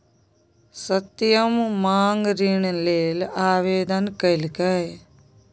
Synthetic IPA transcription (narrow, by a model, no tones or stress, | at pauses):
sɐt̪jɐmːaːŋɡɾiɳleːlaːʋeːd̪ɐnkɐilkɐj